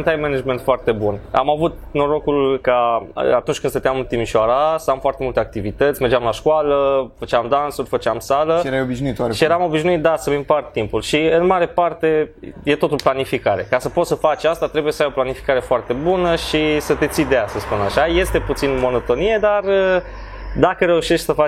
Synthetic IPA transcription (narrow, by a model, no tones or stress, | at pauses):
nt̪ajmenad͡ʒment̪foart̪e̞buna̰mavut̪no̞ɾo̞kulka̰at̪unt͡ʃʲkɨnsət̪eamɨt̪imiʃoaɾasamfoart̪e̞mult̪e̞ak̚t̪ivit̪ət̪sʲme̞rd͡ʒeamlaʃkwaləfət͡ʃamd̪ansurʲfət͡ʃamsaləeɾajobiʒnuit̪waɾeʃijeɾamo̞biʃnuit̪̚d̪asəvimpart̪impulʃiɨnmaɾe̞part̪e̞je̞t̪o̞t̪oplanifikaɾe̞kasəpo̞t̪səfat͡ʃʲast̪at̪ɾe̞bujesəajo̞planifi̥kaɾe̞foart̪e̞bunəʃisət̪e̞t̪sid̪ejasəspunaʃaje̞st̪e̞put̪sinmo̞no̞t̪o̞nije̞d̪arə | d̪akəɾe̞uʃe̞ʃt̪ʲsəfa